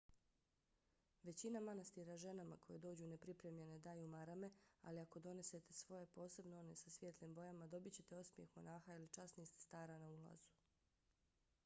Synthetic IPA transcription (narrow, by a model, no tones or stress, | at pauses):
ʋe̞t͡ɕinamanast̪iɾaʒe̞nama̰ko̞jed̪o̞ːd͡ʑune̞pɾipɾe̞mʎe̞ne̞d̪aːjumaɾame̞a̰liako̞d̪o̞ne̞se̞t̪e̞sʋo̞je̞po̞ːse̞bnoo̞ne̞sasʋʲjet̪limbo̞jamad̪o̞bit͡ɕe̞t̪eosmje̞xmo̞̰naːxailit͡ʃasnist̪st̪aːɾanaula̰zu̥